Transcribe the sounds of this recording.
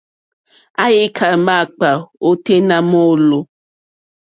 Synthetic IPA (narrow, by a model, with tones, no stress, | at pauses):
a˦je˦kʰa˨ma˦˨k͡pa˨o˦te˦na˦mo˦lo˨